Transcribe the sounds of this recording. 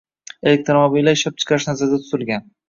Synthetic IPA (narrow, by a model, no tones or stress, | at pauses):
e̞lek̚t̪ɾomobilːaɪʃap̚t͡ʃʰɨ̥qʰɑɾɪʃnazaɾd̪at̪ʰʊ̥zɪlɡʲan